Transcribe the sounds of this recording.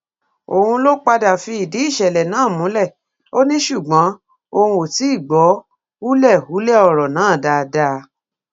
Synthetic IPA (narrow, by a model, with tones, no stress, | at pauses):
o̰˨hũ˧lo˦k͡pa˧da˨fi˧˦i˨di˨˦i˦˨ʃɛ˨lɛ˨nãː˨˦˨mũ˨˦lɛ˦˨ | o˦nĩ˦ʃu˦˨ɡ͡bã˨˦ | o˧hũ˧o˨ti˨˦i˦˨ɡ͡bɔ˨˦ | u˦lɛ˦˨u˨˦lɛ˦˨ɔ˧˨ɾɔ˨nãː˨˦˨da˧˨˧da˧˦